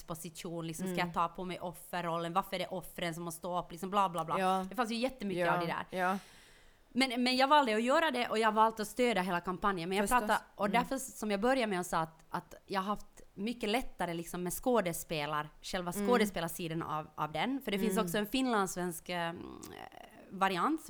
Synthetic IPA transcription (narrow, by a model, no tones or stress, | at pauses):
pɔsɪt̪uːnlɪksɔmskajat̪ʰɑːpʰɔmɛjʔɔfːəɾɔlːənvaɾfœɾɛɖɛʔɔfːɾənsɔmhɔst̪oːɔpːlɪksɔmblɑːblɑːblɑ̰d̪ɛfansjʉjɛt̪ːəmʏkːəad̪ɛd̪æ̰ːɾ | mɛnmɛnjaːɡvɑld̪ɛɔjøːɾad̪ɛʔɔjahavɑːlt̪ɔst̪øːd̪aɦeːlakʰampanjənmɛnjaɡɾɑːt̪ʔɔd̪æɾfœsɔmjɑbœɾjamɛɔsɑːt̪at̪jɑahaɦaft̪mʏkːəlɛt̪ːaɾəlɪksɔmːɛskoːd̪ɛspeːlaɾʂɛlvaskoːd̪əspeːlaʂiːd̪ənɑ̰vʔɑ̰vd̪ɛnfœɖɛfɪnsɔksɔɛnfɪnːland̪svɛnsk | vaɾɪant̪